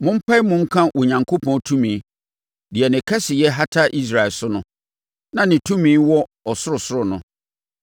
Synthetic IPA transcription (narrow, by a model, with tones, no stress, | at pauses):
mʊ̃˦m̩˦pʰa˦i˦mʊ̃˦ŋ̩˦kʰã˦wʔɔ˨ɲã˨ŋkʰo˦pʰɔ̃˦tʰũ˦mĩ˨˦ | dɪ˨ɛ˨nɪ̃˨kʰa˦sɪ˨jɛ˦ɦa˦tʰa˦ʔi˦s̬ɾa˨ɛ˨lsʊ˦nʊ̃˦ | nã˨nɪ̃˨tʰũ˦mĩː˨˦wɔ˦ | ɔ˨sʊ˦ɾʊ˨sʊ˦ɾʊ˨nʊ̰̃˨